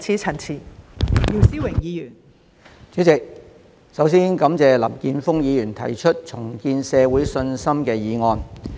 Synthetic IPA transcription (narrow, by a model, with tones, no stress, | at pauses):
t͡sʰiː˧t͡sʰɐ˨˩nt͡sʰiː˨˩jiː˨˧siː˥wɪ˨˩ŋjiː˨˧jyː˨˩n | t͡sy˨˥t͡sɪ˨k̚ | sɐ˨˥wsiː˥nkɐ˨˥mt͡sɛː˨lɐ̰˨˩mkiː˧nfʊ˥ŋjiː˨˧jyː˨˩nt̪ʰɐ̰˨˩jt͡ʃʰɵ˥t̚t͡sʰʊ˨˩ŋkiː˧nsɛː˨˧wuː˨˥jsɵ˧nsɐ˥mkɛː˧jiː˨˧ŋɔː˧n